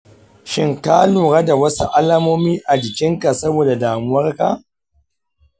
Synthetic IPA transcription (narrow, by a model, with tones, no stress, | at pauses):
ʃɪ˦ŋka˦luː˨ɽa˦da˨wɐ˦su˦ʔa˦laː˦moː˦miː˦ʔa˨d͡ʒɪ˨kʲɪ˦ŋka˨sɐ˦boː˨da˨daː˨mʊ˦wɐ˦rka̰˦